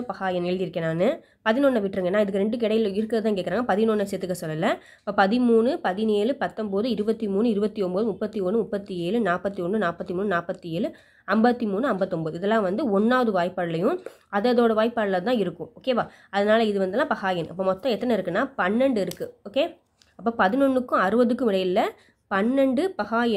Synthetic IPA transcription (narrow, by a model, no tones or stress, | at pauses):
pɐɣaːjɐnɛɻðiɪɾɯkːeːnaːnːɯ | pɐðɪnɔːnːɐʋɪʈːɾɯŋɡɐnːãːɪðɯkːɯɾɛɳɖɯk̬ɪɽɐɪjɪlɪɾɯkːɯɾɐðɯt̪ãːŋk̬eːkːɪɾaːŋɡɐpɐðɪnoɳːɐset̪ːɯkːɐsɔlːɐlːɐ | pːoːpɐðɪmuːnɯpɐðɪneːlɯpɐt̪ːɐmboːðɯɪɾɯbɐt̪ːimuːnɯɪɾɯbɐt̪ːiɔmboːðɯmʊpːɐt̪ːiɔɳːɯmʊpːɐt̪ːieːlɯnaːpɐt̪ːiɔɳːɯnaːpːɐt̪ːimuːnɯnaːpːɐt̪ːieːlɯ | ɐmbɐt̪ːimuːnɯɐmbɐt̪ːɔmboːðɯɪðɛlːãːʋɐnd̪ɯɔnːaːʋɐðɯʋaːjpːaːɾɪlɐjʊ̃ | ɐðɐðoːɽɐʋaːjɪpːaːɽɪlɐt̪ãːɪɾɯkːʊ̃oːkeːʋaː | ɐðɐnaːlɐɪðɯʋɐnd̪ɯlːãːpɐɣaːjɐnʔɐ̰pːoːmɔt̪ːɐ̃ɛt̪ːɐnɐɪɾɯkːɯnːaːpɐnːɛɳɖɯɪɾɯkːɯoːkeː | ɐpːoːpɐðɪnɔɳːɯkːʊ̃ɐɾɯbɐðɯkːɯ̃mʋɪɽɐjɪlːɐ | pɐnːɛɳɖɯpɐɣaːjɐn